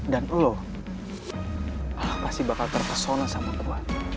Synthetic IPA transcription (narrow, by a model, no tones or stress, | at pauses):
danəlo | aahpasihbakalt̪ərt̪əsonasamakuat̪̚